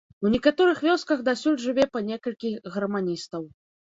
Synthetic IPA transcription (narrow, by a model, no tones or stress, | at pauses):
wnʲɛkat̪ɔɾɨxvʲɔskɐɣd̪asʲulʲʐɨvʲɛpɐnʲɛkɐlʲkʲiɣɐrmanʲist̪ɐw